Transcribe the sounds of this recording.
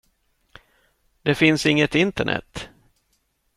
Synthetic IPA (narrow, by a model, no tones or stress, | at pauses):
d̪ɛfɪnsɪŋːət̪ɪnt̪əɳʔɛ̰t̪ː